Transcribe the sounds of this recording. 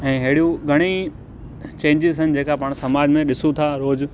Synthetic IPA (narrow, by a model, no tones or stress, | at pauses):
ɛ̃ːɦeːɽijũɡʱɐɽ̃i | t͡ɕẽːɲd͡ʑɪzɦɪnɪ̆d͡ʑeːkapaːɽ̃sɐmaːd͡ʑmẽɗɪsũt̪ʰaɾoːd͡ʑ